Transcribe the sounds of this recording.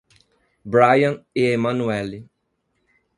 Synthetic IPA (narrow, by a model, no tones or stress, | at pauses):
bɾajɐ̃nɪemãnuɛli